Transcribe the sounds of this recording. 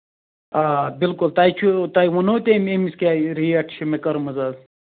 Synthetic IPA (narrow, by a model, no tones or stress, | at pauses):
abɪlkʊlt̪aːit͡ʃʰut̪aiʋɐnoːt̪ememiskʲaːiɾiɐʈʰt͡ʃʰimekɐɾmɐzaːz